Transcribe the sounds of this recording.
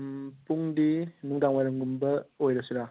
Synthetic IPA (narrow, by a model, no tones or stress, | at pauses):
mpuŋdinuŋdaŋwajɾaŋɡumbɐojɾɐsuɾa